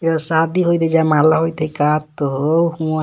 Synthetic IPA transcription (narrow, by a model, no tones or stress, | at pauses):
eɾsad̪iɦojd̪ed͡ʒamalaɦojt̪ʰekat̪ːoɦowhũa